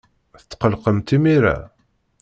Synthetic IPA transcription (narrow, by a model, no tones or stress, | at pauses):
θət͡s̪ːqəlqəmt̪imiɾæ̰